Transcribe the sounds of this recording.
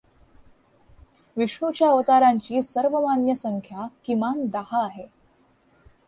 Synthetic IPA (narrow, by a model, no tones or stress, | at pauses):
ʋiʂɳut͡ɕjaːʋət̪aɾaɲt͡ɕiːsəɾʋəmanjəsəŋkʰjakimand̪ahaːɦe